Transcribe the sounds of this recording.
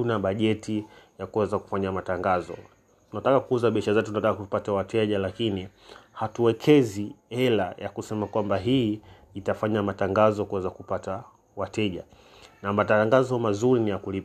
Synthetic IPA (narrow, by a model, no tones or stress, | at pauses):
tunaɓaʄɛtijakuwɛzaku̥faɲamataŋɡazɔ̰ | tunatakakuuzaɓiaʃazɛtutunatakakuupatawatɛʄalakini | hatuwɛkʰɛziɛlajakusɛmakwambaɦiː | itafaɲamataŋɡazɔkuwɛzakupata | watɛʄa̰ | namataŋɡazɔmazuɾinijakulip